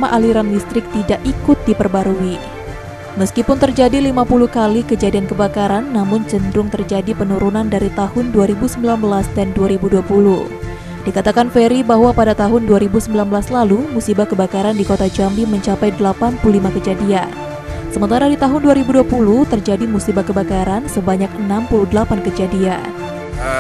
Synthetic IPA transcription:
maʔaliɾandist̪ɾɪk̚t̪idaʔikʊt̪̚dipərbaɾui | məskipʊnt̪ərd͡ʒadilimapuluhkalɪhkəd͡ʒadiankəbakaɾanːamʊɲt͡ʃənd̪ɾʊŋt̪ərd͡ʒadipənuɾunandaɾit̪ahʊnduaɾibusəmbilanbəlasd̪ɛnduaɾibuduapuluh | d̥ikat̪akanfeɾibaɦwapadat̪aɦʊnduaɾibusəmbilanbəlaslalumusibakəbakaɾandikot̪ad͡ʒambiməɲt͡ʃapajdəlapanpuulimakəd͡ʒadia̰n | səmənt̪aɾadit̪aɦʊnduaɾibuduapuluht̪ərd͡ʒadimusibakəbakaɾansəbaɲak̚ənampuludəlapankəd͡ʒadian

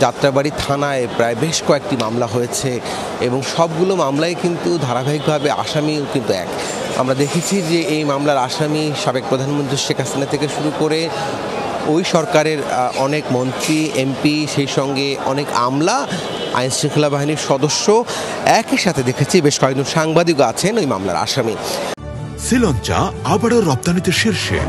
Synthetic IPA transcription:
d͡ʑat̪ːɾabaɽit̪ʰanaepɾaebeʃkɔek̚ʈimamlaɦojet͡ɕʰe | eboŋʃɔb̚ɡulomamlaekint̪ud̪ʱaɾabʱaɦik̚bʱabea̰ʃamiokint̪uɛ̰k | a̰mɾad̪ekʰet͡ɕʰid͡ʑeʔejmamlaɾaʃamiʃabek̚pɾod̪ʱanmont̪ɾiʃekʰɦasinat̪ʰekeʃuɾukoɾe | ojʃɔɾkaɾeɾʔɔnekmɔnt̪ɾiempiʃejʃɔŋɡeɔ̰neka̰mla | a̰jnsɾiŋkʰelabaɦiniɾʃɔd̪oʃːo | ɛkiʃat̪ʰed̪ekʰet͡ɕʰibeʃkɔekɡ̚d͡ʑonʃaŋbad̪ikat͡ɕʰenojma̰mla̰ɾa̰ʃami | silɔnt͡ɕa̰abaɽoɾɔp̚t̪anit̪eʃiɾʃḛ

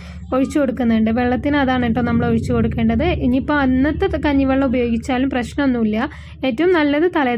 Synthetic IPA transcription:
o̞ɻit͡ɕːuko̞ɽukːunːɐɳɖɨʋe̞ɭːɐt̪ːinɐðaːɳeʈːonɐmːɐɭo̞ɻit͡ɕːuko̞ɽukːe̞ːɳɖɐðɨʔiɲipːoɐnːɐt̪ːɐkɐɲːiʋɐɭːɐubɐjo̞ːɡit͡ɕːaːlumprɐɕnɐmonːuilːɐ | e̞ːtːɐʋumnɐlːɐðɨt̪ɐlɐ

